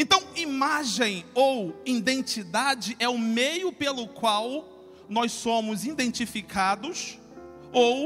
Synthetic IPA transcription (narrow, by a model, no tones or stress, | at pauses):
ẽnt̪ɐ̃w̃imaʒẽj̃owĩd̪ẽnt͡ʃid̪ad͡ʒɪʔɛʊmejʊpelʊkwaw | nɔjssõmʊzĩd̪ẽnt͡ʃifikʰad̪ʊs | ow